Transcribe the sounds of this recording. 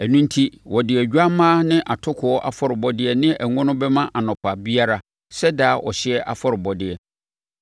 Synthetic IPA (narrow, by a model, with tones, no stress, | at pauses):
æ˨nũ˦n̩˦tʰi˦wɔ˨dɪ˨ɛ˨ɟᶣa˦mãː˦nɪ̃˦ʔa˨tʰʊ˦kʰʊ˨ɔ˦ʔa̰˦fɔ˦ɾɪ˨bɔ˦dɪ˦ɛ˦nɪ̃˦ʔæ˨ŋʊ̃˦nʊ̃˦bɛ˦mã˦ʔa˨nɔ̃˨pʰa˨bi˦a˦ɾa˨ | sɛ˦daː˦ʔɔ̰˨ɕɪ˦ɛ˦ʔa̰˨fɔ˦ɾɪ˨bɔ˨dɪ˨ɛ˨